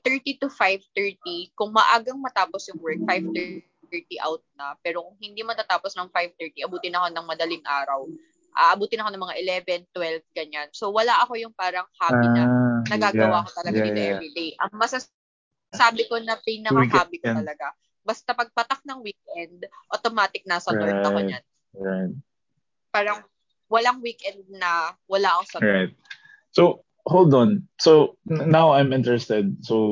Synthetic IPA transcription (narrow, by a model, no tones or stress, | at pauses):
t̪ɛɹt̪it̪ʊfajvt̪ɛɹt̪ikʊŋmɐʔaːɡɐŋmɐt̪aːposjʊŋwɛɹk̚fajvt̪ɛ | t̪ɛɹt̪iʔa̰wt̪̚nɐpɛːɾokʊŋhɪnd̪imɐt̪at̪aːposnɐŋfajvt̪ɛɹt̪iʔɐbuːt̪ɪnɐko̞nɐŋmɐd̪ɐlɪŋʔaːɾɐw | ʔaːʔɐbuːt̪ɪnɐkoɐŋmɐŋaʔɪlɛvɛnt̪wɛlvɡɐɲanso̞wɐlaʔɐko̞jʊŋpaːɾɐŋhaːbiɐnɐɡaːɡɐwaʔɐkot̪ɐlɐɡaniʔɛɾid̪ejʔɐ̰ŋmɐsa | saːbɪko̞nɐpɛjnɐkaːbɪk̪ɐlɐɡa | bɐst̪ɐpɐɡ̚pɐt̪ak̚nɐŋwiːk̚ʔɛnd̪ʔot̪omaːt̪ɪk̚nɐsɐɐɐɲan | ɹaɪt̪̚ | paːɾɐŋ | wɐlaŋwiːkʔɛnd̪̚nɐwɐlaʔɐkosɐɹajt̪̚ | sow | hold̪onsonawajmɪ̃nt̪ɛɹɛst̪ɛd̪̚so